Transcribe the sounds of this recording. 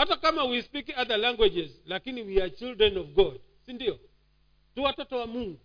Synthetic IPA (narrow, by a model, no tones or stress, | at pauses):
hatakamawispikaðalaŋɡwɛd͡ʒɛzlakiniwiat͡ʃildɾɛnɔvɡɔd | sindiɔ | tuwatɔtɔwamuŋɡu